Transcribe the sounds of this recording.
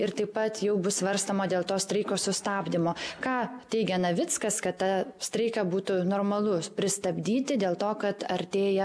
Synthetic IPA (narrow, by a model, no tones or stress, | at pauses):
ɪɾt̪ɐɪppɐt̪jɛʊbʊsʋɐɾst̪omɐd̪ʲeːlˠt̪oːsʲt̪ʲɾɐɪkoːsʊst̪ɑːbʲd̪ʲɪmoːkɑːt̪ʲɛɪɡʲɛnɐʋʲɪt͡s̪kɐskɐt̪t̪ːɐsʲt̪ʲɾʲɛɪkɐbuːt̪unoːrmɐlˠʊpʲɾʲɪst̪ɐbʲd̪ʲiːt̪ʲɪd̪ʲeːlˠt̪oːkɐt̪ɐɾʲt̪ʲeːjɛ